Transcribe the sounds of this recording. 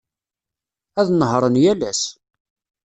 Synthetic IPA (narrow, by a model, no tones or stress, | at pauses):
æðnəɦɾˤənjælæs